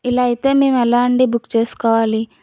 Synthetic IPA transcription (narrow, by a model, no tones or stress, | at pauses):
ilaːjit̪e̞ːme̞ːmuɐlaːɳɖibukːt͡ʃe̞ːsu̥kɔːʋaːli